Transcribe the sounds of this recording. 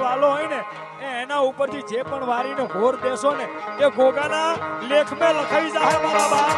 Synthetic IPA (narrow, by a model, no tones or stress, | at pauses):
ʋaloɦoine | eːnaupəɾt̪ʰid͡ʒepəɳʋaːɾineɦoːɾd̪esonekebʱoɡanalekʰmẽləkʰaʋid͡ʒaɦemãbaba